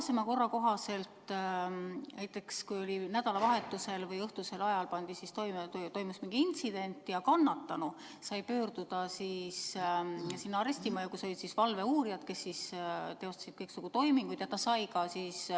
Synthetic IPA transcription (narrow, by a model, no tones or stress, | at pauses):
semɑko̞rːɑko̞ɦɑse̞lt̪ | næjt̪ːˑe̞kskujo̞linæd̪̥ɑlɑvɑɦe̞t̪ːˑuse̞lvɤjɤht̪use̞lɑjɑlpɑnd̪̥isist̪ojmt̪o̞jmusmiŋɡ̥iint̪sid̪̥e̞nt̪ːˑjɑkɑnːɑt̪ːɑnu | sɑjpø̞ːrd̪̥ud̪̥ɑsis | sinːɑɾesʲt̪imɑjɑkuso̞lʲid̪̥sisvɑlve̞uːɾijɑd̪̥ke̞sːist̪e̞o̞st̪ɑ̥sid̪̥kɤjksuɡ̥ut̪o̞jmiŋɡ̥ujd̪̥jɑt̪ɑsɑjkɑsiːs